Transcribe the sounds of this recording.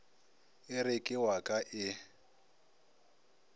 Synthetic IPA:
ɪɾɪkʼɪwakʼaʔɪ

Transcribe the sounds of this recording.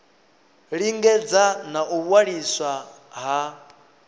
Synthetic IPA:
ɺiŋɡɛd͡zanaʔuβwaɺiswa | ɦa

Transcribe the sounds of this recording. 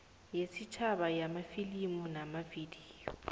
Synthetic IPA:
jesit͡ʃʰaɓajamafilimunamavidiːjɔ

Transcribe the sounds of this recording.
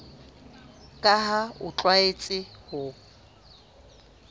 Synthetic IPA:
kʼaɦaʊ̰t͡ɬʼwaet͡sʼɪhʊ

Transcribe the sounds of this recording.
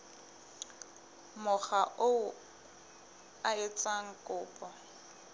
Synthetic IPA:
mʊχaʔoʊ | aɪt͡sʼaŋ̩kʼʊːpʼɔ

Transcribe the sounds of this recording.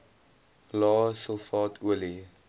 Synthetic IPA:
lɑːsəlˠfɑːtʰuəli

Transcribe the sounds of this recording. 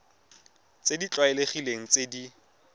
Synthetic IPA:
t͡sedit͡ɬʼwaɛleχileŋ̩t͡sedi

